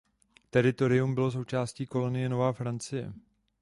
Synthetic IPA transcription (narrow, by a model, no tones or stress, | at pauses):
t̪ɛɾɪt̪o̞ɾɪjumbɪlo̞s̬o̞wt͡ʃaːsciːko̞lo̞nɪjɛno̞vaːfɾant͡sɪjɛ̰